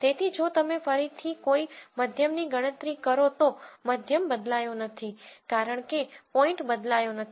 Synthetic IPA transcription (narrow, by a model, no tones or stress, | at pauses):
t̪et̪ʰid͡ʒot̪əmefəɾit̪ʰikoiməd̪ʱjəmniɡəɽ̃ə̃t̪ɾikəɾot̪oməd̪ʱjəmbəd̪lajonət̪ʰikaɾəɳ̃kepɔɪ̃ɳʈbəd̪lajonət̪ʰi